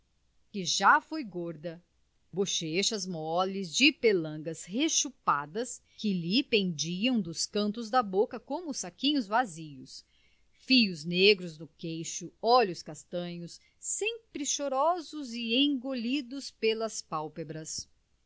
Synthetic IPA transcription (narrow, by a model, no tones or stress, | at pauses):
kɪʒafojɡoɾd̪ɐ | buʃeʃɐzmɔlɪzd͡ʒɪpelɐ̃ɡɐsheʃupad̪ɐs | kɪlipẽnd͡ʒiɐ̃w̃d̪ʊskɐ̃nt̪ʊzd̪ɐbokɐkõmʊsakĩɲʊzvaziʊs | fijʊzneɡɾʊznʊkejʃʊɔlʊskast̪ɐ̃ɲʊs | sẽpɾɪʃoɾɔzʊzɪẽɡolid̪ʊspelɐspawpebɾɐs